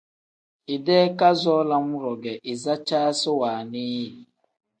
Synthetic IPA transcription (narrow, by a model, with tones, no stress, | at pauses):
ɪ˨dɛ˦ka˦zɔː˦la˦mʊ˦ɾɔ˨ɡɛ˨ʔɪ˨za˦t͡ʃaː˦sɪ˦waː˨ni˦˨